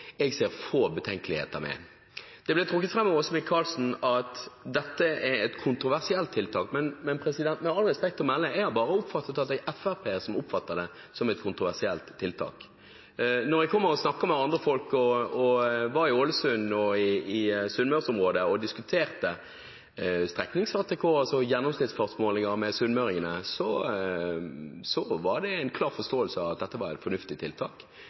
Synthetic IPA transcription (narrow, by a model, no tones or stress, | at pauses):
ɛɡseːɾfoːbət̪ʰɛŋkəlɪhḛːt̪əɾmɛ̰ | d̪̥ɛblɛt̪ʰɾʊkːət̪fɾɛmːɔʋɔsɔmɪkʰɑlsn̩ɑt̪d̪ɛt̪ːəʔɛɾɛt̪kʰʊnt̪ɾʊʋæʁsɪɛlt̪ʰːɪlt̪ʰɑːkmɛnmɛnpʰɾɛsɪd̪ɛnt̪mɛnɑlʁɛspɛk̚t̪fɔmɛlːəɛɡhɑɾbɑːɾəʊpfɑt̪ːət̪ɑt̪ɛɡɛfæɾpʰeːəsɔmʊpfɑt̪ːəd̪ɛ | sɔmɛt̪kʰʊnt̪ɾʁʊʋæʁsɪɛ̰lt̪ʰːɪlt̪ʰɑ̰ːk | nɔɾɛɡ̚kʰɔmːəɾɔsnɑkːɑmɛɑnd̪ʁəfɔlkɔɔʋɑɾɪoːləsʉnːɔɪːsʉnmœsʊmʁoːd̪əɔd̪ɪskʉt̪ʰeːʁt̪ə | st̪ɾɛknɪŋshɑːt̪ɛkʰoːɑsɔjɛnːɔmsnɪt̪sfɔʁsmoːlɪŋəɾmɛsʉnmœɾɪŋənəsɔ | sɔʋɑɾd̪ɛɛnkʰlɑːɾfɔst̪oːəlsəɑʋɑt̪̚d̪ɛt̪ːəʋɑɾɛ̰t̪fɔɾnʉft̪ɪt̪ʰɪlt̪ʰɑːk